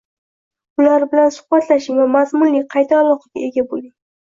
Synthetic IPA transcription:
ʊlaɾbɪlansʊ̥hbat̪ʰlaʃɪŋvamazmʊnlɪkʲqʰɑjt̪ʰaːlˠɒqɑɡʲae̞ɡʲabolɪŋ

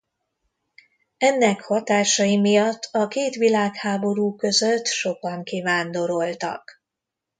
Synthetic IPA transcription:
ɛnːɛkhɒt̪aːʃɒjimijɒt̪ʰːɒkeːt̪ʋilaːkhaːbo̞ɾuːkø̞zøt̪ːʃo̞kɒŋkivaːnd̪o̞ɾo̞lt̪ɒ̰k

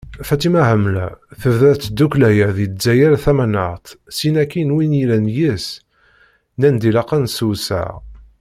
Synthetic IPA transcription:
fæt͡sːimæhəmlæ̰θəvðæt͡sːd̪uklæjæðizæjæɾθæmænəʁt̪ˤsinækːinwinjilænjis | nænd̪ilɑqːɑnsusæ̰ʁ

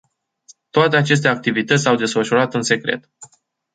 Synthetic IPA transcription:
t̪oat̪eat͡ʃe̞s̬t̪e̞ak̚t̪ivit̪ət̪sʲawd̪e̞sfəʃuɾat̪ɨnse̞kɾe̞̰t̪

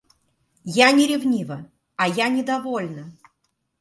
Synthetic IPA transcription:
janʲɪɾʲɪvnʲivə | ɐjanʲɪd̪ɐvolʲnə

